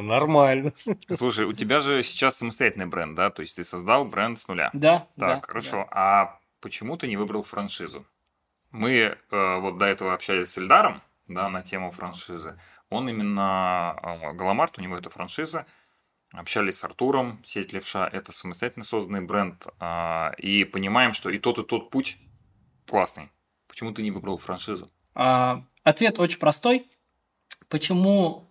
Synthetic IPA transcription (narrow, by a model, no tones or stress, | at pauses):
nɐrmalʲnəslˠuʂəjʊtʲɪbʲaʐɨsʲɪ̥t͡ɕasːəməst̪ɐjætʲɪlʲnɨjbɾɛ̰nd̪̚d̪at̪o̞jɪsʲtʲt̪ɨsɐzd̪alˠbɾɛndt̪snʊlʲa̰d̪t̪akkxəɾɐʂo̞ʔɐ | pət͡ɕɪmut̪ɨnʲɪvɨbɾəlˠfɾɐnʂɨzʊ̰ | mɨəvo̞t̪̚d̪ɐɛt̪əvəɐpɕælʲɪsʲsːəlʲd̪aɾəm | d̪anɐtʲemʊfɾɐnʂɨzɨ | o̞nimʲɪnːə | ɡəlˠɐmart̪ʊnʲɪvoɛt̪əfɾɐ̰nʂɨzɨ | ɐpɕælʲɪsʲsɐ̰rt̪uɾəmsʲedʲɪt̪ʲlʲɪfʂaʔɛt̪əsəməst̪ɐjæt̪ʲɪlʲnəso̞zd̪ənɨjbɾɛnd̪əipənʲɪmajɪmʂt̪o̞it̪o̞t̪ɨt̪o̞t̪̚putʲ | klˠasnɨ̰j | pə̥t͡ɕɪmut̪ɨnʲɪvɨbɾəlˠfɾɐnʂɨzʊ | a | ɐt̪vʲe̞t̪o̞t͡ɕɪnʲpɾɐst̪o̞j | pət͡ɕɪmu